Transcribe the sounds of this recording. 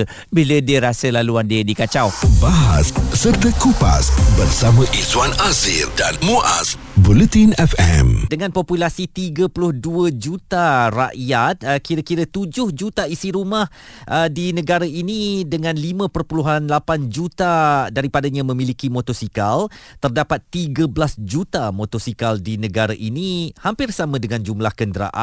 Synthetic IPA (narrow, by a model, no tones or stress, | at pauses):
bilədiəɾasəlaluandiədikat͡ʃawbaɦa̰ssərt̪əkopa̰sbərsamãʔiswanazildanmuʔa̰s | bulət̪inɛfɛ̰mdəŋãnpopulasit̪iɡəpulʊhduəd͡ʒut̪ara̰ʔjat̪̚əkiɾakiɾət̪ud͡ʒʊhd͡ʒut̪aisiɾumah | ʔədinə̃ɡaɾaʔinidəŋãnlimə̃pərpuluɦanlapand͡ʒut̪adaɾipadaɲãmə̃milikimɔt̪ɔsikalt̪ərdapat̪ːiɡəblasd͡ʒut̪amot̪ɔsikaldinə̃ɡaɾaʔinihampɪrsamə̃dəŋãnd͡ʒumlahkəndəɾa̰ʔa̰